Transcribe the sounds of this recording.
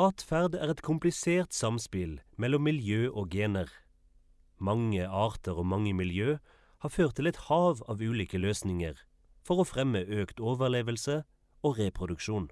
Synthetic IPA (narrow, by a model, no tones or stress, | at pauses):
ɑːt̪fæʁd̪æːʁɛt̪kʰʊmplɪseːʁt̪sɑmspɪlmɛlɔmːɪljøːʔoːɡeːnəʁ | mɑŋəɑːʁt̪əʁoːmɑŋəmɪljøː | hɑːføːʁt̪ʰːɪlɛt̪hɑːʋɑːʋʉːliːkəløːsnɪŋəʁ | fɔʁoːfʁɛməøːkt̪oːʋəʁleːʋəlsə | oːʁeːpʰʁʊd̪ʉkʃuːn